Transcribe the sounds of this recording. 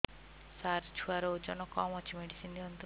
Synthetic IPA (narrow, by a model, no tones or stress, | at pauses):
saɾt͡ʃʰuaɾɔd͡ʒɔnɔkɔmɔt͡ʃʰimeɖisind̪iɔnt̪u